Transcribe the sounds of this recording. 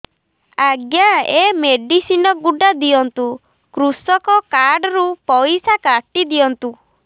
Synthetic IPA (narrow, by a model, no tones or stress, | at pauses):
aɡjaemeɖisinɔɡuɖad̪iɔnt̪u | kɾusɔkɔkaɾɖɔɾupɔjsakaʈid̪iɔnt̪u